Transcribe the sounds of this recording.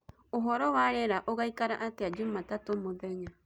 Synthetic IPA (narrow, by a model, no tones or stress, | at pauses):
oɦɔɾɔwaɾɛɾaʔoɣaikaɾaʔatead͡ʒumatatomoðɛɲa